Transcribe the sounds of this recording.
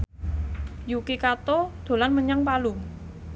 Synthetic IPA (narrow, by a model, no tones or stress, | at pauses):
jukikat̪ɔd̪̥o̤lanməɲaŋpalʊŋ